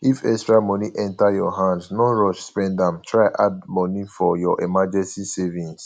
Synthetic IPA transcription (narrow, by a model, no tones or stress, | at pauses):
ifɛstɹamɔ̃niʔɛ̃ntajɔɦãndnɔ̃ɹɔʃspɛ̃ndãmtʰɹaɪʔad̚mɔ̃nifɔjɔʔemad͡ʒɛ̃nsisevĩns